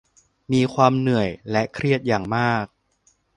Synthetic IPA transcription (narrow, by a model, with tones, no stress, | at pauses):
miː˧kʰwaː˧mnɯ˨˩əjlɛ˦˥kʰɾi˥˩ət̪̚jaː˨˩ŋmaː˥˩k̚